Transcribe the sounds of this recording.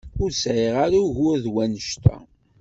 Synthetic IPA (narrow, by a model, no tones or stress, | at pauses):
ʊɾsʕeʁaɾuʝʊɾðwænəʃt̪æ̰